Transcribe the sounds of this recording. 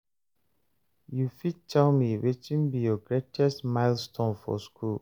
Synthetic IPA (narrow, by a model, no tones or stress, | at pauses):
jufidtʰɛlmiwet͡ʃĩnbijɔɡɹetʰɛstmaɪlstʰõnfɔ̰skʰul